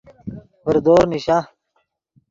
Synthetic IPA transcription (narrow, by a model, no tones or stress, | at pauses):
bɐɾd̪oːɾniɕa